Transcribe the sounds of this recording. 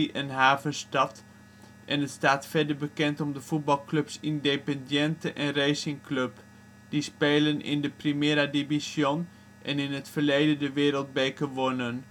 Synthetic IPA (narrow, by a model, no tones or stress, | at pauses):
iʔənɦaːvənstɑt | ʔɛnətstaːtfɛɹdəɹbəkɛntɔmdəv̥ut̚bɑlˠkløpsɪndepɛndjɛntəʔɛnrejsɪŋkløp | d̥ispeːlənʔɪ̰ndəprimɪːɾadivisjɔn | ʔɛnɪnɦətfəɹlejdəndəʋɪːɾəlˠd̚bejkəʋonən